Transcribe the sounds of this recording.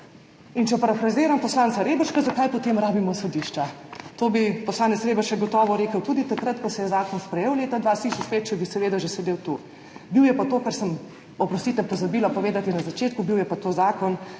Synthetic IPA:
int͡ʃɛpaɾafɾazeːɾampɔslaːntsaɾeːbəʃkazakajpɔt̪eːmɾaːbimɔsɔd̪iʃt͡ʃat̪oːbipɔslaːnɛt̪sɾeːbəʃɛɡɔt̪ɔːʋɔɾeːkəwt̪uːd̪it̪akɾɐt̪kɔsɛjɛzaːkɔnspɾɛjeːwleːt̪ad̪ʋaːsiʃuspet͡ʃɛbisɛʋeːd̪aʒɛsɛd̪eːwt̪u | biwjɛpat̪oːkaɾsəm | ɔpɾɔst̪it̪ɛpɔzabiːlapɔʋeːd̪at̪inazat͡ʃeːt̪kubiwjɛpat̪oːzaːkɔn

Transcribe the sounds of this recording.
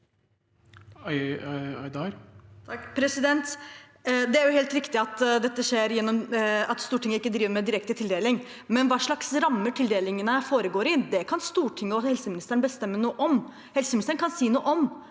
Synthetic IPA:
ɑɪd̪ɑɾt̪ʰɑpʰɾɛsɪd̪ɛnt̪ | d̪ɛæɾjʊheːlt̪ɾɪkt̪ɪɑt̪d̪ɛt̪ːəʂeːɾjɛnːɔmɑt̪st̪uːʈʰɪŋːəɪkːəd̪ɾiːʋəɾmɛd̪ɪɾɛk̚t̪ət̪ʰɪld̪eːlɪŋ | mɛnʋɑːʂɭɑksɾɑmːəʈʰɪld̪eːlɪŋənəfoːɾəɡoːɾɪd̪ɛkʰɑnst̪uːʈʰɪŋːəɔhɛlsəmɪnɪst̪əɳbəst̪ɛmːənuːəʔɔm | hɛlsəmɪnɪst̪əɳkʰɑnsiːnuːəʔɔm

